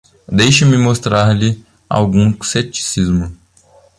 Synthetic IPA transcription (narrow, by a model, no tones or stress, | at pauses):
d̪ejʃɐmɪmost̪ɾaɾlɪ | a̰wɡũset͡ʃi̥sizmʊ